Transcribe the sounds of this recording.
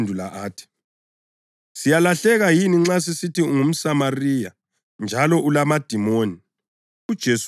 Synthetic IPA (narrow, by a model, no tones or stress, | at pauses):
ndʱulaʔaːtʰi̥ | sijalaɬɛɣajiniŋ͡ǁas̬isitiuŋum̩samariːja | nd͡ʒʱalɔʔulamad̥ʱimoːni | ud̥ʒ̥ʱes